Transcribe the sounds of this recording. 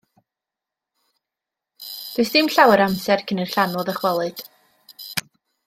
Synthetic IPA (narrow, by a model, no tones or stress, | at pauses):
d̥wʊɨsd̥ɪmɬawɛɾamsɛrkʰənir̥ɬanɔðəχwɛlˠɨd̥